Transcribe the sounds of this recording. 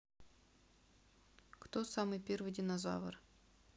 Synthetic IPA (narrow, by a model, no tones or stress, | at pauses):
kt̪osamɨjpʲervɨjdʲɪnɐza̰və̰r